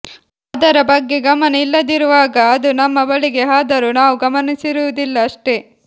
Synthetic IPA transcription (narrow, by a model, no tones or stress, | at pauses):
ɐd̪ɐɾɐbɐɡːeɡɐmɐnɐilːɐd̪iɾuʋaːɡɐɐd̪unɐmːɐbɐɭiɡe̞ɦaːd̪ɐɾunaːʋuɡɐmɐnisiɾuʋud̪ilːɐːʂʈe